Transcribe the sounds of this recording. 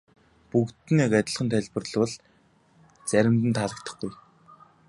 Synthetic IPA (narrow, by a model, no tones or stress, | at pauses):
pukt̪ɘ̆nekæt̪ʲɪ̆ɮχə̆nt̪ʰæɮʲpɘ̆rɮwə̆ɮ | t͡sæɾʲɪ̆mt̪ɘ̆nt̪ʰaɮə̆k̚t̪ə̆χɡuj